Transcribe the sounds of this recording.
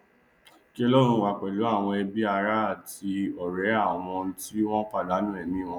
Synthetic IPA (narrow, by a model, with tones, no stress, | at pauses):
ki˦ɔ˦lo˦ɾ̃ũ˧˨wa˧k͡pɛ˨lo˨˦a˦˨w̃ɔ̃˧ɛ˧bi˦a˧ɾa˦a˨ti˧ɔ˨ɾɛ˨˦a˦˨w̃ɔ̃˧˦ti˦w̃ɔ̃˦k͡pa˦˨da˨˦nũ˦ɛ˨nĩ˨˦˨w̃ɔ̃˧